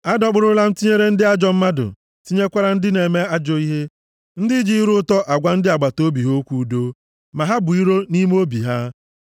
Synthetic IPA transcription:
a˦dɔ˦k͡pʊ˦ɾʊ˦la˦m̩˦ti˦ɲe˦ɾe˦n̩˦dɪ˦a˦d͡ʒɔ˨m̩˦ma˦dʊ̰˨ | ti˦ɲe˦kʷa˦ɾa˦n̩˦dɪ˦ne˨me˦a˦d͡ʒɔ˨˦i˦ɦe˦ | n̩˦dɪ˦d͡ʒi˦ɾʊ˦tɔ˦ʔa˨ɡʷa˦n̩˦dɪ˦a˨ɡ͡ba˨to˦bi˨ɦo˦kʷu˦do˦ | ma˨ɦa˦bʊ˨i˦ɾo˦ni˦mo˦bi˨ɦa˦

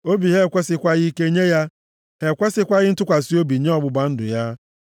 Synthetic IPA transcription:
o˦bi˨ɦe˦˨kʷe˦sɪ˨kʷa˦ɣi˦ke˦ɲe˦ja˦ | ɦe˨kʷe˦sɪ˦kʷa˦ɣɪ˦n̩˦tʊ˦kʷa˨si˦o˦bi˨ɲe˦ɔ˦bʊ˨ba˦n̩˦dʊ̰˨ja˦

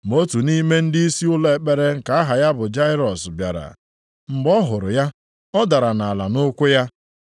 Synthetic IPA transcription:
m˨o˦tu˨ni˦me˦n̩˦di˦i˦si˦ʊ˦le˨e˨k͡pe˦ɾe˦ŋ̩˨ka˨a˦ɦa˨ja˦bʊ˨d͡ʒa˦ɪ˦ɾɔ˨sbja̰˨ɾa̰˨ | m̩˨bɔ˦ɦʊ˨ɾʊ˨ja˦ | ɔ˦da˨ɾa˨na˨a˨la˨nʊ˦kʷʊ˦ja˦

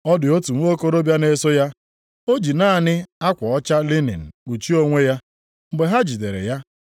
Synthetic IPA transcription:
ɔ˦dɪ˨o˦tu˨m̩˦o˦ko˦ɾo˦bja˦ne˦sʊ˦ja˦ | o˦d͡ʒi˨na˦˨nɪ˦a˦kʷɔ˨ɔ˦t͡ʃa˦li˦nḭ˨n̩˨k͡pu˨t͡ʃi˦o˦ŋʷe˦ja˦ | ŋ͡m̩˨ɡ͡be˨ɦa˦d͡ʒi˨de˨ɾḛ˨ja˦

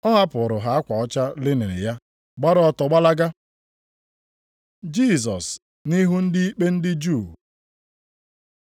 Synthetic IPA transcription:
ɔ˦ɦa˦pʊ˨ɾʊ˨ɦa˨a˦kʷa˨ɔ˦t͡ʃa˦lɪ˦ne˨ɾɪ̰˨ja˦ | ɡ͡ba˦ɾɔ˦ɔ˦˨tɔ˨ɡ͡ba˦la˦ɡa˦ | d͡ʒi˦˨s̬ɔ˨s | ni˦ɦu˦n̩˦dɪ˦i˦k͡pe˦n̩˦dɪ˦d͡ʒu˦˨

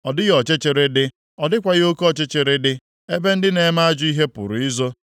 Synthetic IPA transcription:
ɔ˨dɪ˦ɣɔ˨t͡ʃe˦t͡ʃe˨ɾe˦dɪ˦ | ɔ˨dɪ˦kʷa˨ɣɪ˦o˦kɔ˨t͡ʃe˦t͡ʃe˨ɾe˦dɪ˦ | e˦be˦n̩˦dɪ˦ne˨˦ma˦a˦d͡ʒʊ˦i˦ɦe˦pʊ̰˨ɾʊ˨i˦zo˦

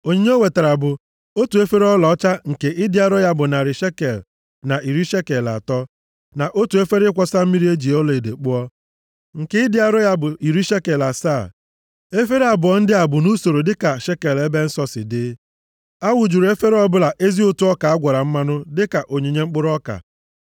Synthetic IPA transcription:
o˨ɲe˨ɲe˦o˦we˨te˨ɾa˨bʊ˨ | o˦tu˨e˦fe˦ɾɔ˦lɔ˨˦t͡ʃa˦ŋ̩˨ke˨ʔɪ˦dɪ˦a˦ɾɔ˦ja˦bʊ˨na˨ɾɪ˨ʃe˦ke˨l | na˨ʔi˨ɾi˦ʃe˦ke˨la̰˨tɔ˦ | na˨ʔo˦tu˨e˦fe˦ɾɪ˦kʷɔ˦sa˦m̩˦mi˦ɾi˦e˦d͡ʒi˨ɔ˦le˨de˨k͡pʊ˦ɔ˦ | ŋ̩˨ke˦ɪ˦dɪ˦a˦˨ɾɔ˦ja˦bʊ˨i˨ɾi˦ʃe˦ke˨la˨saː˦˨ | e˦fe˦ɾe˦a˨bʊ˨ɔ˦n̩˦dɪ˦a˨bʊ˨nu˦so˨ɾo˨dɪ˦ka˨ʃe˦ke˨le˦be˦n̩˦sɔ˦sɪ̰˨dɪ˦ | a˦wʊ˨d͡ʒu˨ɾe˦fe˦ɾɔ˦bʊ˦la˨ʔe˦zi˦o˦tu˦ɔ˦ka˨a˦ɡʷɔ˨ɾa˨m̩˦ma˦nʊ˦dɪ˦ka˨ʔo˨ɲe˨ɲe˦ŋ͡m̩˦k͡pʊ˦ɾɔ˦ka̰˨

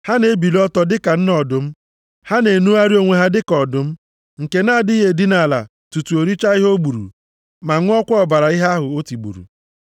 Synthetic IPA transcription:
ha˦ne˦bi˨lɔ˦tɔ˨dɪ˦ka˨n̩˦nɔ˨dʊ˨m̩˦ | ha˦ne˨nu˦a˦ɾi˦o˦ŋʷe˦ɦa˦dɪ˦kɔ˨dʊ˨m̩˦ | ŋ̩˨ke˨na˦˨dɪ˦ɦe˨di˦na˨la̰˨ | tu˨tu˨o˨ɾi˦t͡ʃa˦i˦ɦo˦ɡ͡bu˨ɾṵ˨ | ma˨ŋʷʊ˦ɔ˦kʷʊ˦ɔ˨ba˨ɾa˨i˦ɦa˦a˦ɦʊ˨o˦ti˨ɡ͡bṵ˨ɾṵ˨

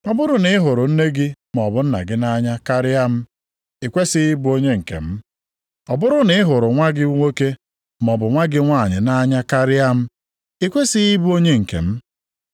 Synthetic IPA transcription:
ɔ˨bʊ˦ɾʊ˨nɪ˨ɪ˦ɦʊ˨ɾʊ˨n̩˦ne˦ɡɪ˦m˨ɔ˨bʊ˨n̩˦na̰˨ɡɪ˦na˦ɲa˦ka˦ɾɪ˦a˦m̩˦ | i˨kʷe˦sɪ˦ɪ˦bu˦o˦ɲe˦ŋ̩˨kḛ˨m̩˦ | ɔ˨bʊ˦ɾʊ˨nɪ˦ɪ˦ɦʊ˨ɾʊ˨ŋʷa˦ɡɪ˦u˦ŋʷe˦ke˦ | m˨ɔ˨bʊ˨ŋʷa˦ɡɪ˦ŋʷa˦˨ɲɪ̰˨na˦ɲa˦ka˦ɾɪ˦a˦m̩˦ | i˦kʷe˦sɪ˦ɪ˦bu˦o˦ɲe˦ŋ̩˨kḛ˨m̩˦

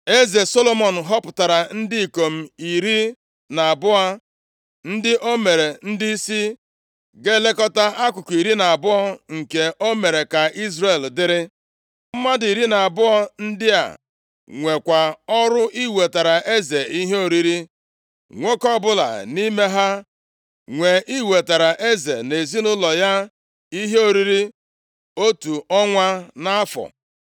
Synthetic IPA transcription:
e˦ze˨so˦lo˦mɔ˨n̩˨ɦɔ˦pʊ̥˨ta˨ɾa˨n̩˦dɪ˦i˨ko˨m̩˦˨i˨ɾi˦ | na˨a˨bʊ˦a˦ | n̩˦dɪ˦ʔo˦me˨ɾe˨n̩˦di˦i˦si˦ | ɡe˦le˦kɔ˦ta˦a˦kʷʊ˨ki˨ɾi˦na˨a˨bʊ˦ɔ˦ŋ̩˨ke˨ʔo˦me˨ɾe˨ka˨ʔi˦zre˨ldɪ˦ɾɪ˦ | m̩˦ma˦di˨ɾi˦na˨a˨bʊ˦ɔ˦n̩˦dɪ˦a̰˨ | ŋʷe˨kʷa˨ɔ˦ɾʊ˦i˦we˨ta˨ɾa˨e˦ze˨i˦ɦe˦o˨ɾi˦ɾi˦ | ŋʷe˦kɔ˦bʊ˦la̰˨ni˦me˦ɦa˦ | ŋʷe˨ʔi˦we˨ta˨ɾa˨ʔe˦ze˨ne˨zi˦nʊ˦lɔ˨ja˦ | i˦ɦe˦o˨ɾi˦ɾi˦ | o˦tu˨ɔ˦ŋʷa˦na˦a˦fɔ̰˨

